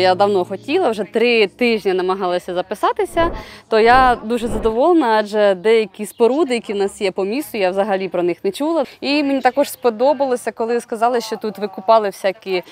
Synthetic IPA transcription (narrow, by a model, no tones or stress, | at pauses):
jad̪ɐwnɔxɔtʲilˠɐwʒɛt̪ɾɪt̪ɪʒnʲɐnɐmɐɦɑlˠɐsʲɐzɐpɪsɑt̪ɪsʲɐt̪ɔjad̪uʒɛzɐd̪ɔʋɔlˠenɐɑd͡ʒɛd̪ɛjɐkʲispɔɾud̪ɪjɐkʲiwnɑsjɛpɔmʲisʊjawzɐɦɐlʲipɾɔnɪxnɛt͡ʃulˠɐimenʲit̪ɑkɔʒspɔd̪ɔbɐlˠɔsʲɐkɔlˠɪskɐzɑlˠɪʃt͡ʃɔt̪ut̪ʋɪkʊpɑlˠɪwsʲakʲi